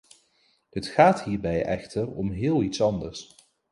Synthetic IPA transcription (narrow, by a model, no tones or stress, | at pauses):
dətχaːtɦiːɹbɛjɛ̰χtʰərɔ̰mɦɪːlˠitsɑndəɹs